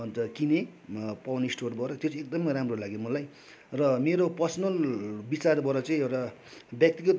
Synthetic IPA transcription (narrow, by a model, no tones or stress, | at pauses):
ʌnt̪ʌkinepawnisʈorbʌɾʌt̪jot͡sʰek̚d̪ʌmʌjɾamrolaɡemʌlaj | rʌmeɾopʌrsʌnʌlbit͡sarbʌɾʌt͡sʌ̃ĩewʈa | bjʌk̚t̪iɡʌ